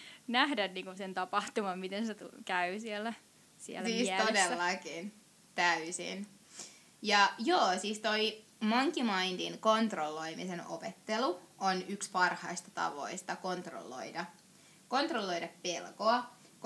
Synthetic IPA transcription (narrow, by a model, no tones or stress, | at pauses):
næhdænniːŋkusent̪ɑpɑht̪umɑmmit̪enset̪ṵkæysielːæ | sḭḛlːiːsæodelːɑkin | t̪æysḭn | jɑjoːsiːst̪oi | mɑŋkːimɑind̪inkont̪rolːoimiseno̰pet̪ːeluonykspɑrhɑist̪ɑ̥t̪ɑ̰ʋo̰ist̪ɑkont̪ro̰lːo̰idɑ | kont̪rolːoidɑppelkoɑ | k